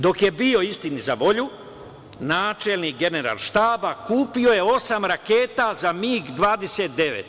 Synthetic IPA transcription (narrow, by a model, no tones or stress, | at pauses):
d̪o̞kje̞bio̞ist̪inizaʋo̞ʎu | naːt͡ʃelnikɡe̞neɾa̰lʃt̪aːbakuːpio̞je̞o̞samɾakeːt̪azamiːɡd̪ʋaːd̪e̞set̪̚d̪e̞ʋḛt̪